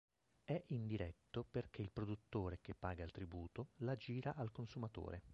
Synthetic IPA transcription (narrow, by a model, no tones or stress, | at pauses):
ɛʔind̪iɾɛt̪ːoperk̟ʰeilpɾod̪ut̪ːoːɾek̟epːaːɡailt̪ɾibuːt̪olad͡ʒiːɾaʔalkonsumat̪o̰ːɾe